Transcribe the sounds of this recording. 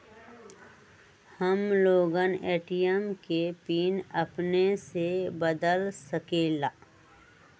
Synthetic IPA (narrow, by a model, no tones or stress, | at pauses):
həmloːɡəneːʈijəmkepiːnəpnesebəd̪əlsəkeːlaː